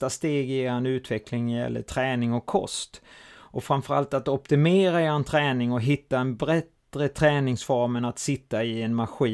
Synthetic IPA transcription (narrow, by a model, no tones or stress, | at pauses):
ast̪eːɡjeːɾanʉ̟ːt̪vɛklɪŋnæjɛ̰lːə̰ʈʰɾɛːnɪŋɔkʰːɔ̰st̪ʔɔfɾamfœɾa̰lt̪at̪ɔpt̪ɪmeːɾaant̪ʰɾɛːnɪŋɔɦɪt̪ːaɛnbɾɛt̪ɾət̪ʰɾɛːnɪŋsfɔɾmənat̪sɪt̪ːaɪɛnmaɧiː